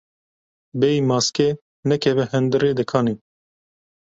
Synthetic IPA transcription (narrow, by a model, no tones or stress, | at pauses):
bɛjmɑːske | nɛkʰɛvɛhɛnd̪ɨɾeːd̪ɨkʰɑːni